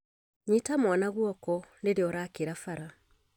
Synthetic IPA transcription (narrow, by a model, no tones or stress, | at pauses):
ɲitamwanaɣwɔkɔndeɾeɔɾaːkeɾafaɾa